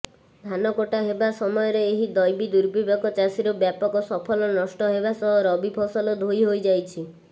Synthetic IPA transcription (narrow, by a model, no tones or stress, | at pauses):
d̪ʱanɔkoʈaɦebasɔmɔjɔɾeeɦid̪ɔjbid̪uɾbibakɔt͡ʃasiɾɔbjapɔkɔsɔpʰɔlɔnɔsʈɔɦebasɔɦɔɾɔbipʰɔsɔlɔd̪ʱojɦojd͡ʒajt͡ʃʰi